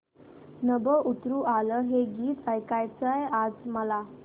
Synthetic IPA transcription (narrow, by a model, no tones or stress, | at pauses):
nəbəʔut̪ɾuːʔaləɦeɡiːt̪əjkajt͡səjad͡zməla